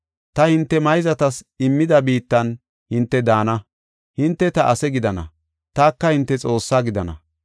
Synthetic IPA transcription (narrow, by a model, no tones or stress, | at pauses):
t̪ɐhɪnt̪ːɛmɐjzɐt̪ɐs | ɪmːɪd̪ɐbiːt̪ːɐn | hɪnt̪ːɛd̪aːnɐ | hɪnt̪ːɛt̪ɐʔɐsɛɡɪd̪ɐnɐ̰ | t̪aːkːɐhɪnt̪ːɛt͡sʼo̞ːsːaːɡɪd̪ɐnɐ̰